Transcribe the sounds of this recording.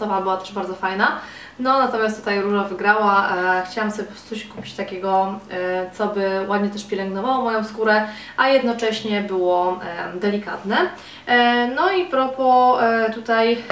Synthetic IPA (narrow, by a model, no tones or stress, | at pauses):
ɔvabɘwat̪ɛ̥ʐbaɾd̪zɔfajna | nɔnat̪ɔmʲast̪ut̪ajɾuʐavɘɡɾawaxt͡ɕawamsɔbʲɛt̪sɔɕkupʲi̥t͡ɕt̪akʲɛɡɔ | t̪sɔbɘwʔad̪ɲɛt̪ɛʂpʲjɛlɛŋɡnɔvawɔmɔjɔ̃w̃skuɾɛ | ʔajɛd̪nɔt͡ʂɛɕɲɛbɘwɔd̪ɛlʲika̰t̪nɛ | nɔipɾɔpɔt̪ut̪aj